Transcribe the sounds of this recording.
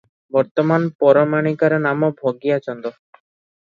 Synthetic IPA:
bɔɾt̪ɔmanpɔɾɔmaɽ̃ikaɾɔnamɔbʱoɡijat͡ʃɔnd̪ɔ

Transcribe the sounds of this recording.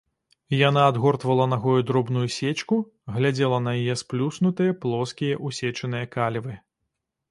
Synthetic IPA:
janaːd̪ɣɔrt̪vɐlˠɐnɐɣɔjud̪ɾɔbnujusʲet͡ʃku | ɣlʲad͡zʲɛlˠɐnɐjajɛsplʲusnut̪ɨjɐplˠɔskʲijɐʔusʲɛt͡ʂɨnɨjɐkalʲvɨ

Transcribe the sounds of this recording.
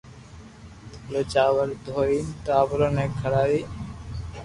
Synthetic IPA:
t̪ʰoːleːt͡ʃaːʋəld̪ʱoːiːnt̪aːʋɾoːneːkʰəɽaːiː

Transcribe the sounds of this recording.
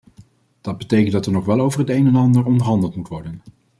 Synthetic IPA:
d̥ɑd̚bətejkəntdɑtəɹnɔχʋɛlˠowvəɹɦətejnɛnɑndəɹɔndəɹɦɑndəlˠtmutʋɔɹdən

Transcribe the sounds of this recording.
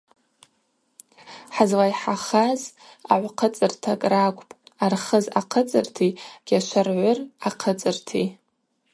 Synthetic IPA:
ħazlajħaχaz | a̰ʕʷqʰət͡sʼɨrtʰakʼrakʷʼpʼarχəzaqʰət͡sʼɨrtʰiɡ̥ʲaʃʷarʕʷʊraqʰət͡sʼɨrtʰi

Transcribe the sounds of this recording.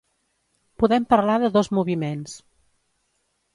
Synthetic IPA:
puðɛmpəɾlaðəðɔzmuβimens

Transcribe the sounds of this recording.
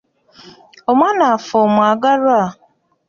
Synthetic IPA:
omanaafɔmaɡaɾa

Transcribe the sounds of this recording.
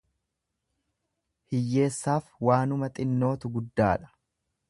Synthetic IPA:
hɪjːe̞ːsːaːfwaːnʊmɐt̪ʼɪnːo̞ːt̪ʊɡʊd̪ːaːᶑɐ̥

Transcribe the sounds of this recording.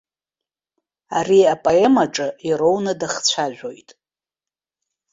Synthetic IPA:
ariapʼoemaʈ͡ʂʼɨiɾo̞wnɨdaχt͡ɕʷʰaʒʷᶣo̞jtʼ

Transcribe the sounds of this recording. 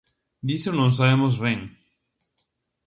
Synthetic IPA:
d̪iseonõŋsaβemozβeŋ

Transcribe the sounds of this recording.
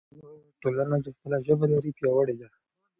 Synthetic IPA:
ʈolanat͡ʃexpəlaʒəbalaɾipjɑwəɽed̪a

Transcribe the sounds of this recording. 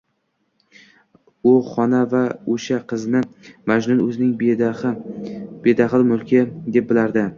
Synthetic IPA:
ʊχɒnavaoʃaqʰɨznɪmad͡ʒnʊnɵzɪnɪŋ | b̥ed̪aχlˠɪmʊlˠkʲʰɪd̪e̞p̚bɪlaɾd̪ɪ

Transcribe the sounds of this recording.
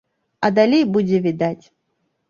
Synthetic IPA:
ɐd̪alʲejbud͡zʲɛvʲid̪at͡sʲ

